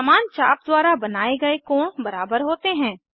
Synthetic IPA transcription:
əmaːnt͡ʃa̰ːp̚d̪waːɾabɐnaːeɡɐekɔːɳ̃bɐɾaːbəɾɦoːt̪eɦɛ̃ː

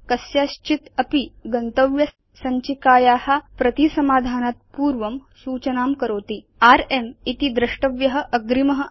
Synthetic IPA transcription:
kɐsjaɕt͡ʃit̪ɐpiɡɐnt̪ɐʋjɐ | sɐɲt͡ʃikaːjaːhɐpɾɐt̪isɐmaːd̪ʱaːnaːt̪̚puːɾʋɐmsuːt͡ʃɐnaːmkɐɾoːt̪i | aːɾemit̪id̪ɾɐʂʈɐʋjɐɦɐ̆ʔɐɡɾimɐɦɐ̆

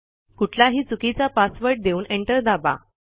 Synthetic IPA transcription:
kuʈʰlaɦiːt͡sukit͡sapasʋəɾʈ̚d̪euːneɳʈəɾd̪aba̰

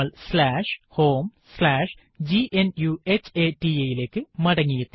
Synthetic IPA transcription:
ɐlslaːʂho̞ːm | slaːʂ | d͡ʑiʔenjuet͡ɕːeːʈiejile̞ːkːɨmɐɽɐŋːijet̪ːi

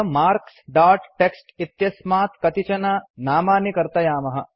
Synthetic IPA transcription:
maːɾksɖaːʈʈeksʈit̪jɐsmaːt̪kɐt̪it͡ʃɐnanaːmaːnikɐɾt̪ɐjaːmɐɦɐ̆

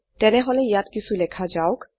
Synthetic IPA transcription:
tɛneɦolejatkisʰulekʰad͡ʑaok

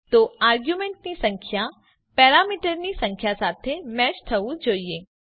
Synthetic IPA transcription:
t̪oːaːɾɡjumẽɳʈnisɐ̃ŋkʰja | pɛːɾaːmiːʈəɾnisɐ̃ŋkʰjasaːt̪ʰemɛːʃʈʰɐũd͡ʒoːie

